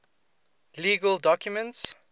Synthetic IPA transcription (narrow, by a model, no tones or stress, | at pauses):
liːɡəldɔkjumə̃nts